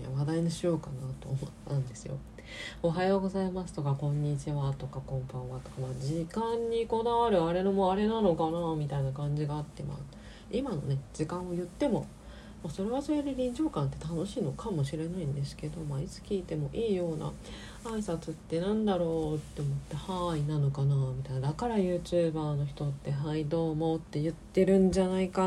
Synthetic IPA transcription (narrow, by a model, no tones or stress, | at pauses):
ja̰βad̪ainoɕijo̞ːkanat̪o̞̰ːmot̪ːãnd̪e̞sɨjo̞̰o̞ɦajo̞ːɡo̞zaimasɨ̥t̪o̞kakõ̞ɲ̟ːit͡ɕiβat̪o̞kakõ̞mpõβat̪o̞kamad͡ʑikãɲ̟ːiko̞d̪aβaɾɯ̟aɾe̞nomoaɾe̞nano̞kanamʲit̪ainakãɲ̟d͡ʑiɡaːt̪ːe̞̰ma̰̥ | imano̞̰ne̞d͡ʑikãɰ̃o̞jɯ̟t̪ːe̞mo̞ | maːso̞ɾe̞βaso̞ɾed̪e̞ɾʲĩɲd͡ʑo̞ːkãnt̪ːe̞̥t̪ano̞ɕiːno̞kʰamo̞ɕiɾe̞naĩnd̪e̞sɨ̥ke̞d̪o̞mait͡sɨ̥kʲiːt̪e̞mo̞ʔiːjo̞ːna̰ | aisat͡sɨt̪ːe̞nãnd̪aɾo̞ːt̪ːe̞omo̞t̪ːe̞hainano̞kanaːmʲit̪ainad̪akaɾajɯ̟ːt͡ɕɨːbaːno̞çi̥t̪o̞t̪ːe̞ɦaid̪o̞ːmot̪ːe̞jɯ̟t̪ːe̞ɾɯ̟̃ɲ̟d͡ʑanaika